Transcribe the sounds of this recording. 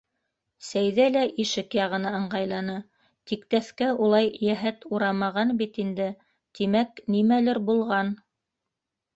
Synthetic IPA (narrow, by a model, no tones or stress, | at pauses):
sæjðælæʔiʃɘkjɑʁɤ̆nɤɤ̆ɴɢɑjlˠɑnɤ | t̪ikt̪æθkæulˠɑjjæɦæt̪uɾɑmɑʁɑnbit̪ind̪ɘ | t̪imæknimælɘɾbulˠʁɑn